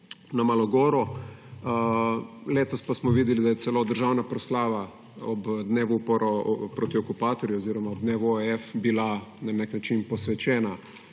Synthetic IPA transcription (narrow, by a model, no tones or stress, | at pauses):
namalɔɡɔːɾɔ | leːt̪ɔspasmɔʋiːd̪ɛlid̪ajɛsɛloːd̪əɾʒawnapɾɔslaːʋa | ɔbd̪neːʋuupɔɾɔpɾoːt̪iɔkupaːt̪ɔɾjuɔziːɾɔmaɔbd̪neːʋɔeɛfbilananeknat͡ʃinpɔsʋɛt͡ʃɛːna